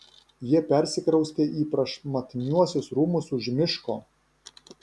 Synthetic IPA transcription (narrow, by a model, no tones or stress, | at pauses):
jiɛpʲɛɾʲsʲɪkɾɐʊsʲt̪ʲeːʔiːpɾɐʃmɐt̪ʲɪnʲuɔsʲʊsɾuːmʊsʊʒmʲɪʃkoː